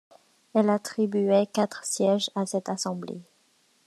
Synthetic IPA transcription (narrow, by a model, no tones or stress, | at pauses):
ɛlat̪χibyɛkat̪χsjɛʒasɛt̪asɑ̃blḛ